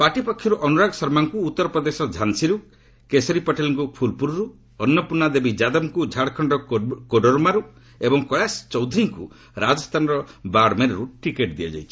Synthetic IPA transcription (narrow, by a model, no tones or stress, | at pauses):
paʈipɔkʰːjɔɾuʔɔnuɾaɡɔsɔɾmaŋkuːt̪ːɔɾɔpɾɔd̪esɔd͡ʒʱansiɾu | kesɔɾipɔʈelɔŋkupʰulpuɾɔɾu | ɔnːɔpunːad̪ebid͡ʒad̪ɔmkud͡ʒʱaɽkʰɔɳɖɔkoɖɔɾumaɾu | ebɔŋkɔɭast͡ʃɔwd̪ʱɾiŋku | ɾad͡ʒɔst̪ʰanɔɾɔbaɽmeɾɔɾuʈikeʈd̪ia̰d͡ʒa̰jt͡ʃʰi̥